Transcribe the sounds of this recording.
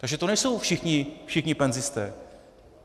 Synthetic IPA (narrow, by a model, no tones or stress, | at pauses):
t̪aɡʒɛt̪onɛjso̞wfʃɪxɲɪfʃɪxɲɪpɛnzɪst̪ɛ̰ː